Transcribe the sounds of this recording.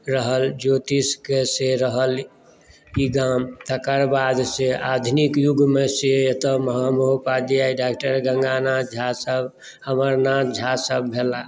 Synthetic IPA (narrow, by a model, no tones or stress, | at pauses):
ɾəɦəld͡ʒot̪iskeseɾəɦəl | iɡamt̪əkəɾbad̪sead̪ʱunikjuɡmeseet̪əməɦamoɦupad̪ijaiɖakʈəɾɡəŋɡanad͡ʒʱasəb | həməɾnad͡ʒʱasəb̚ːʱela